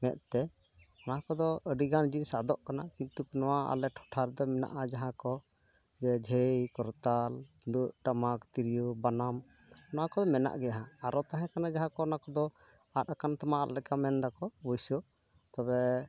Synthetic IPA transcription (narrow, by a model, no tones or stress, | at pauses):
mɛt̪̚t̪ɛ | naɦãkɔd̪ɔʔəɖiɡand͡ʒinsad̪ɔʔkanakint̪uknɔwaa̰lɛʈʰɔ̥ʈʰaɾd̪ɔmɛna̰ʔad͡ʒaɦãkɔ | d͡ʒɛd͡ʒʱəjkɔɾt̪al | d̪uʔʈamakt̪iɾijubanam | naɦãkɔd̪ɔmɛna̰ʔɡɛaɦãaɾɔt̪aɦɛ̃kanad͡ʒaɦãkɔnãkɔd̪ɔ | atakant̪amaʔa̰ʔlɛkamɛnd̪akɔbɔjsɔ | t̪ɔbɛ